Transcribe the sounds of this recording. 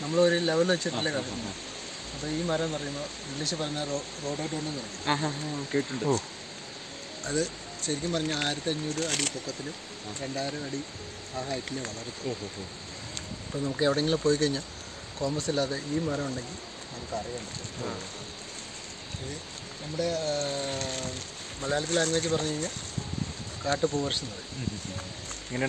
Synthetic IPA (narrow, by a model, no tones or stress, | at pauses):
nɐmːɐɭoɾule̞ʋɐlʋɐt͡ɕːɐilːekɐrɐjumːo | ɐpːoːiːmɐɾɐpɐrɐjumoː | iŋɡliɕɨpɐrɐɲːar | ro̞ːɖɐʈːuɳːenɐrɐkːinːkeːʈːuɳɖɨ | ɐðɨ | ɕɐɾikʲːumpɐrɐɲːaɭaːɾɐt̪ːeɲːoɾuɐɽipokːɐt̪ːilum | ɾe̞ɳɖaːɾuɐɽi | aːɦaːjɐtːileʋɐɭɐret̪ːu | ipːonɐmukːɨeʋiɽeŋɡilumpo̞ːjik̬ɐɻiɲːa | ko̞ːmbɐsilːaːðeiːmɐɾɐmuɳɖe̞ŋɡil | nɐmkːɨɨɐrjɐjeːɳɖɨ | kei | nɐmːuɽe̞ | mɐlaːlit̪̬ːilaŋɡɐet͡ɕːɨpɐrɐɲːukɐɻiɲːa | kaːʈːɨpoːʋɐrsunːɐðɨ̰ | ɐŋːɐne